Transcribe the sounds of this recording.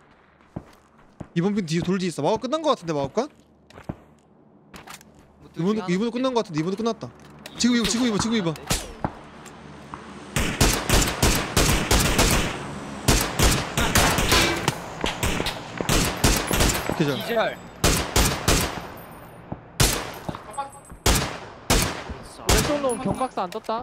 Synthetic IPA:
ibʌnpʰintitoɭd͡ʑiːs͈ʌmaʌk͈ɯnːanɡʌkatʰɯnde̞mauk͈a | ibunibundokɯnːanɡʌkatʰɯndeibundok͈ɯnːat̚t͈at͡ɕiɡɯmiʌt͡ɕiɡɯmibʌt͡ɕiɡɯmibʌn | ked͡ʑaɭ | esoŋnomkjʌŋbak̚s͈oand͡ʑʌt̚t͈a

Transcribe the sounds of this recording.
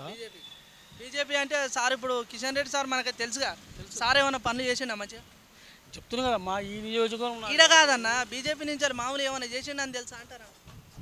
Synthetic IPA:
pi | biːd͡ʒe̞ːp̬iːɐɳʈe̞ːsaːɾip̬ːuɽukiʃɐnɾeɖːisaːɾmɐnɐkit̪e̞lus̬uɡaːsaːɾeːʋɐnːapɐnulut͡ʃeːs̬iɳdɐmːɐt͡ʃːa | t͡ʃep̚ut̪unkɐd̪aːmaːiːnijoːd͡ʒikɐʋɐɾɐniːɽɐkaːd̪ɐnːabiːd͡ʒe̞ːp̬iːnuɲt͡ʃalimaːmulɛːʋɐnːaːt͡ʃeːs̬indɐnit̪̬elusaːɐɳʈaːɾa

